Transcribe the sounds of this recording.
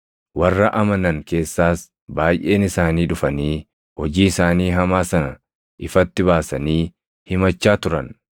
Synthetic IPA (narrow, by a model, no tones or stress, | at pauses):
wɐrːɐʔɐmɐnɐŋke̞ːsːaːs | baːjʔe̞ːnɪsaːniːᶑʊfɐniː | hɔd͡ʒiːɪsaːniːɦɐmaːsɐnɐ | ʔɪfɐt̪ːɪβaːsɐniː | hɪmɐt͡ʃːaːt̪ʊɾɐ̰n